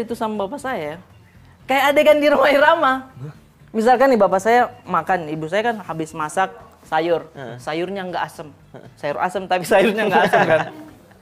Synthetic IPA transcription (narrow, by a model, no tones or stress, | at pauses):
it̪usamabapasaja | kajaːdakandiɾamaiɾama | mis̬alkanːibapasajamakanibusajakanhabɪsmasak̚ | sajʊrsajʊrɲaŋɡaʔːsəm | sajʊra̰səmt̪apisajʊrɲaŋɡaasəmkan